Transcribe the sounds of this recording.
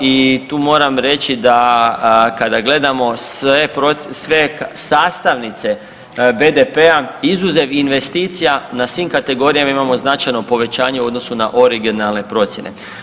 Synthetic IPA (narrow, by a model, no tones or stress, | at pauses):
it̪uːmo̞ːɾamɾe̞t͡ɕid̪a | kad̪aɡle̞d̪amo̞sepɾosʋe̞ksaːst̪aʋnit̪se̞ | be̞d̪e̞pe̞aizuzeʋinʋe̞st̪iːt̪sijanasʋiːmkat̪e̞ɡo̞ɾijamaimamo̞znat͡ʃajno̞po̞ʋe̞t͡ɕaːɲe̞od̪no̞suna̰ʔo̞ɾiɡinalˠne̞pɾo̞t̪sje̞nḛ